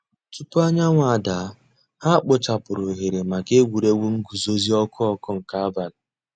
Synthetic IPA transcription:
ki˦pʊ˦a˦ɲa˦ŋʷa˨a˨da˨˦ | ha˦k͡pʊ˨t͡ʃa˨pʊ˨ɾʊ˨ɦe˨ɾe˨ma˨ke˦ɡu˨ɾe˦wʷu˦ŋ̩˦ɡu˨zo˦zi˦ɔ˦kʰʊ˦ɔ˦kʊ˦ŋ̩˨ka˦a˦ba˨la˨

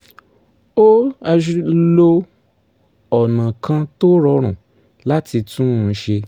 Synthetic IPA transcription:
o˦a˧ʃu˦lo˧ | ɔ˨nã˨kã˧to˦ɾɔ˧ɾ̃ũ˨ | la˦ti˧tũ˦˧˦ʃe˧

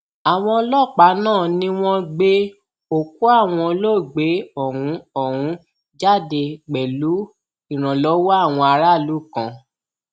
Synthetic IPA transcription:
a˨w̃ɔ̃˧lɔ˦˨k͡pa˨˦nãː˦˨nĩ˦w̃ɔ̃˧ɡ͡be˦ | o˦˨k̚u˦a˦˨w̃ɔ̃˧lo˦˨ɡ͡be˨˦ɔ˦˨ɾũ˨˦ɔ˦˨ɾ̃ũ˨˦ | d͡ʒa˦˨de˧ɡ͡bɛ˨lu˨˦ | i˦˨ɾ̃ã˨lɔ˨˦wa˦a˦˨w̃ɔ̃˧a˧ɾa˦˨lu˨˦˨kã̰˧˨

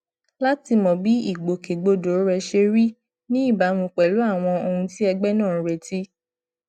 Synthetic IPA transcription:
la˦ti˧mɔ̃˨bi˨˦i˦˨ɡ͡bo˨ke˨ɡ͡bo˧do˨˦ɾɛ˧ʃe˧ɾi˦ | nĩ˦i˦˨ba˨˦mũ˧k͡pɛ˨lu˨˦a˦˨w̃ɔ̃˧o˧hũ˧ti˦ɛ˧ɡ͡bɛ˦nãː˦˨˧ɾe˧˨ti˦

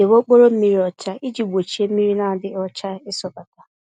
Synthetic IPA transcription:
e˨wo˦k͡po˦ɾo˦m̩˦mi˦ɾi˦ɔ˨t͡ʃa˦i˦d͡ʒi˨ɡ͡bʷo˨t͡ʃi˨˦e˦m̩˦mi˦ɾi˦na˨˦dɪ˦ɔ˦t͡ʃa˦ɪ˦sɔ˨ka˨ta˨

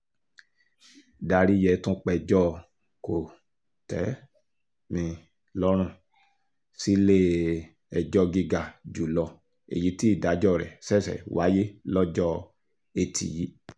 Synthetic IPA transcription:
da˧ɾi˦jɛ˧tũ˦k͡pɛ˧d͡ʒɔ˦˨ | ko˨ | tɛ˨˦ | mĩ˧ | lɔ˦ɾ̃ũ˦˧˨ | si˦le˦ | ɛ˨d͡ʒɔ˧ɡi˧ɡa˨d͡ʒu˨lɔ˨ | ḛ˨ji˨˦ti˦i˦˨da˨˦d͡ʒɔ˦˨ɾɛ̰˨sɛ˦˨sɛ̰˨wa˨˦je˦lɔ˦d͡ʒɔ˦˨ | e˧tʰḭ˨ji˨˦

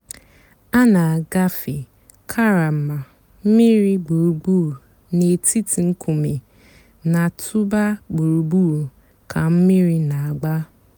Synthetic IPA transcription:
a˦na˨a˨ɡa˦fi˨ | kʰa˦ɾa˨m̩˨ma˨ | m̩˦mi˦ɾi˦ɡ͡bo˨ɾu˨ɡ͡bu˦˨ | ne˨ti˦ti˨ŋ̩˦kʰu˨me˨ | na˨tʰu˦ba˦ɡ͡bo˨ɾu˨ɡ͡bu˦˨ɾ | kʰa˨m̩˦mi˦ɾi˦na˨a˨ɡ͡ba˦

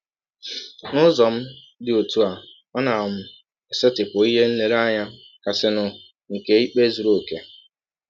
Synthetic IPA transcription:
nʊ˦zɔ˨m̩˦ | dɪ˨o˨tu˦a˨ | ɔ˦na˨ɔ˨m̩˦ | e˨se˦tɪ˨pʊ˨i˦ɦe˦n̩˦le˨ɾa˦ɲa˦ | ka˨sɪ˦nʊ˨ | ŋ̩˨ke˨i˦k͡pe˦zu˨ɾo˦˨ke˨

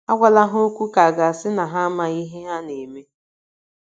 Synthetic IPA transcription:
a˦ɡʷa˦la˦ɦʊ˦o˦kʷu˦ka˨ɡa˨sɪ˦na˨ɦa˦ma˨i˦ɦe˦a˦ne˨me˦

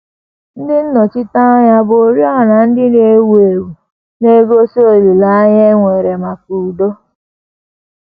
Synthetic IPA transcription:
n̩˦dɪ˦n̩˦nɔ˨t͡ʃɪ˦ta˦ɲa˦bo˨ɾjɔ˦˨na˨n̩˦dɪ˦ne˦we˨wu˨ | ne˦ɡo˦so˦o˦˨lu˨la˦ɲ˦e˦ŋʷe˨ɾe˨ma˨ku˨do˦

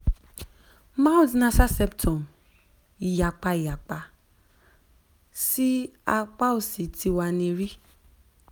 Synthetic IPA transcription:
ma˦wdnã˧sa˦sɛ˧˦btʰɔ̃˨m | i˨ja˨k͡pa˧i˨ja˨k͡pa˧ | si˦a˧k͡pa˦o˨si˨˦tʰi˧˦wa˧nĩ˧ɾi˦

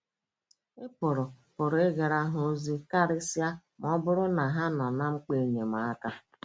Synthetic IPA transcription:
ɪ˦pʊ˨ɾʊ˨pʊ˨ɾʊ˨e˦ɡe˨ɾa˦ɦʊ˦o˦zi˦ka˦ɾɪ˦sja˦m˨˦ɔ˦bʊ˦ɾʊ˦na˨ɦa˦nɔ˨na˦ŋ͡m̩˦k͡pe˨ɲe˨ma˨a˦ka˦

